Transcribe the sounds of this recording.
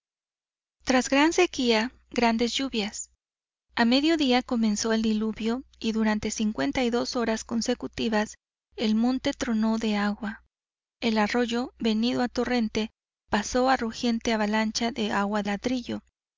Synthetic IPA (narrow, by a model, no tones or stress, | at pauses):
t̪ɾazɡɾanse̞kia | ɡɾand̪e̞zʝuβjas | ame̞ðjo̞ðiako̞mẽ̞nso̞e̞ld̪iluβjo̞iðuɾant̪e̞siŋkwe̞nt̪aijðo̞so̞ɾasko̞nse̞kut̪iβas | e̞lmõ̞nt̪e̞t̪ɾo̞no̞ðe̞aɣwa | e̞laro̞ʝo̞βe̞niðo̞at̪o̞re̞nt̪e̞ | paso̞aruxje̞nt̪eaβalant͡ʃaðe̞aɣwalaðɾiʝo̞